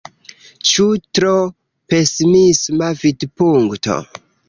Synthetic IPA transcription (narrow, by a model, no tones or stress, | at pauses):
t͡ʃutɾo | pesmismavidpuŋkto̰